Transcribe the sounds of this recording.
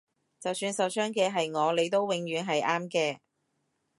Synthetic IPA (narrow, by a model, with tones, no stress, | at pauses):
t͡sɐ˨wsyː˧nsɐ˨˩wsœː˥ŋkɛː˧ɦɐ˨jŋɔː˨˧le˨˧jt̪o˥wwɪ˨˧ŋjyː˨˧nɦɐ˨jʔaː˥mkɛː˧